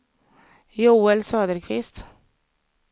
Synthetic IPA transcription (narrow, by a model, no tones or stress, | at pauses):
juːɛlsøːd̪əɾkʰʋɪst̪